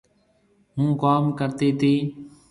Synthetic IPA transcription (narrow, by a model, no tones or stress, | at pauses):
ɦũːkaːmkəɾt̪iːt̪ʰiː